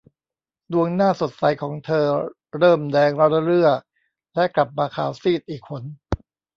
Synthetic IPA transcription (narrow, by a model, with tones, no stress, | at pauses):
du˧əŋnaː˥˩so˨˩t̪̚sa˨˩˦jkʰɔː˩˦ŋt̪ʰɤː˧ | ɾɤː˥˩mdɛː˧ŋɾɔ˦˥la˧˥ɾɯ˥˩ɐək̚ | lɛ˦˥ʔkla˨˩p̚maː˧kʰaː˨˩˦wsiː˥˩t̪̚ʔiː˨˩kʰːo˧n